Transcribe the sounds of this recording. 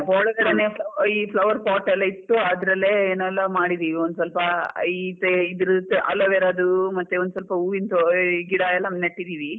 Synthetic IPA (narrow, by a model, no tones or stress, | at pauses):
ɔɭɐɡɐɽeneːpʰlɐiːpʰlɐʋɐɾpaːʈɛlːɐit̪ːuɐd̪ɾɐleeːnɛlːɐmaːɽid̪iːʋiond̪usɐlpɐit̪eid̪ɾut̪ːʔɐ̰lːɐʋɛːɾaːd̪umɐt̪ːeond̪sɐlpɐuːint̪oɡiɽaːjɐlːɐmnɐʈːid̪iːʋi